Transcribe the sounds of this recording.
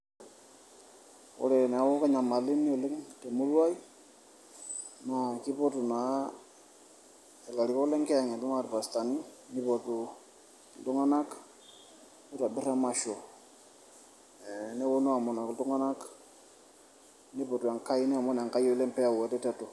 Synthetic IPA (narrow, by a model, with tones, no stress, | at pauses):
o̰˦lɛ˨n˨wo˦ka˦ɲa˨ma˨li˦ni˦o˨lɛ˦ŋte˨mu˦lwa˦i˦ | na˨ki˦po˦tu˨na˨ | e˨la˨ɾi˨ko˦le˦ŋke˦a˨ŋe˨du˦ŋa˦˨tpa˨sta˨ni˦ni˦po˨tu˨ | du˦ŋa˦na˦k | ni˦ta˨bi˦ɾa˦ma˨ʃo˨ | nɛ˦wo˦no˦a˨mo˨na˨ktu˦ŋa˦na˦k | ni˦bo˨tu˨a˨ŋka˦i˦ni˦a˨mo˦na˨ŋka˦jo˦lɛ˦mpɛ˦a˨wɛ˨tɛ˦tɛ˦to˨